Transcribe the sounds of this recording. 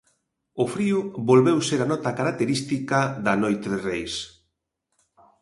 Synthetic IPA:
ʊfɾiʊβolβewseɾanɔt̪ɐkaɾak̚t̪eɾist̪ikɐðɐnojt̪eðɪrejs

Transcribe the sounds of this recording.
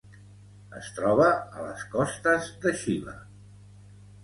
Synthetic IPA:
əst̪ɾɔβəə̰lə̰skɔst̪əzd̪əʃilə̰

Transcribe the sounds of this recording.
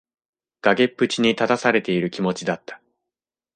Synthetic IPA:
ɡ̥aɡe̞pːɯ̟t͡ɕiɲ̟it̪at̪asaɾe̞t̪e̞iɾɯ̟kʲimo̞t͡ɕid̪at̪ːḁ

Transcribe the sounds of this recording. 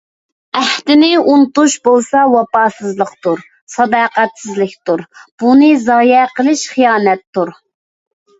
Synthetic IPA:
æht̪ɪnɪunt̪uʃbolˠsɑwɑpɑːsɨzlˠəqt̪uɾ | sɑd̪ɑːqæt̪sɪzlɪkʲt̪uɾb̥unɨzɑːjɛqəlˠɪʃχijɑːnɛt̪ːuɾ

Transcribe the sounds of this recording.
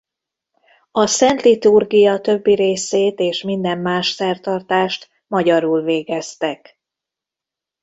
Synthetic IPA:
ɒsɛnt̪lit̪urɡijɒt̪ø̞bːiɾeːseːt̪eːʃmind̪ɛmːaːʃsɛrt̪ɒrt̪aːʃt̪ | mɒɟɒɾulveːɡɛst̪ɛk

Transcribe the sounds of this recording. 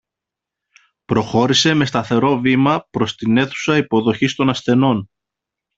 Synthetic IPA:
pɾo̞xo̞ɾise̞me̞st̪ɐθe̞ɾo̞vimɐpɾo̞st̪ine̞θu̥sɐipo̞ðo̞çist̪o̞nɐsθe̞no̞n

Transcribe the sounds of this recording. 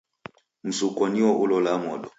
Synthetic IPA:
m̩sukɔniɔʔulɔlamɔɗɔ

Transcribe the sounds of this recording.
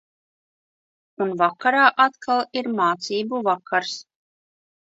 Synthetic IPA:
unvakːaɾaːʔat̪kʰalˠiɾmaːt̪siːbuvakaɾs

